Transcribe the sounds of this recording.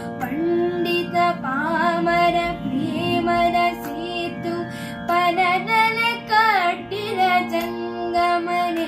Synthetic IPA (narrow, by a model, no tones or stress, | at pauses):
pɐɳɖit̪ɐpaːmɐɾɐpɾeːmɐɾɐseːt̪u | pɐlɐnɐlekaːɖiɾɐd͡ʒɐŋ | ɡɐmɐne